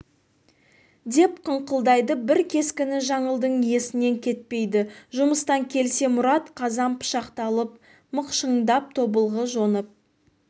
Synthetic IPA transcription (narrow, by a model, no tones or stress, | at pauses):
d̪e̞pqʰəɴqəlˠd̪ɑjd̪əbɪɾkʲʰe̞skʲɪnɪʒɑɴəlˠd̪əɴje̞sɪne̞ŋkʲʰe̞t̪̚pe̞jd̪ɪʒʊməst̪ɑŋkʲʰe̞lse̞mʊɾɑt̪qʰɑzɑnpʰə̥ʃɑqt̪ɑlˠəp̚ | məqʃəɴd̪ɑp̚t̪ʰo̞bəlˠʁəʒo̞nəp̚